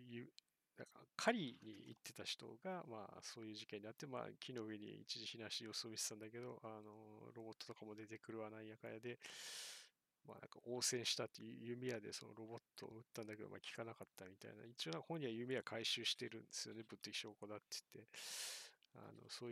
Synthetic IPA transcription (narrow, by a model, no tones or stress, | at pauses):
jɯ | d̪akakʰaɾʲiɲḭḭt̪ːe̞t̪açi̥t̪o̞̰ɡama̰ːso̞ːjɯ̟ːʑikeɲːinat̪ːema̰ːkʲʰino̞ɯ̟e̞ɲ̟ḭḭt͡ɕiʑiçinãɕiijo̞soːmʲissãnd̪ake̞d̪o̞ʔano̞ɾo̞bo̞t̪ːot̪o̞kamo̞d̪e̞t̪e̞kɯ̟ɾɯ̟βanaijakajad̪e̞ | ma̰ːnã̰ŋkao̞ːsẽ̞ɰ̃ɕi̥t̪at̪ːejɯjɯ̟mʲejad̪e̞̰so̞no̞̰ɾo̞bo̞t̪ʰːo̞̰ɯt̪ːãnd̪ake̞d̪o̞̰ma̰ːkʲi̥kanakat̪ːamʲit̪a̰ḭna̰it͡ɕio̞nãkahõ̞ɲ̟ːiβajɯ̟mʲe̞jakʰaiɕɨːɕi̥t̪e̞ɾɯ̟̃nd̪esɨjo̞ne̞bɯ̟t̪ːekʲi̥ɕo̞ːkod̪at̪ːe̥t̪ːe̞ | a̰no̞̰soː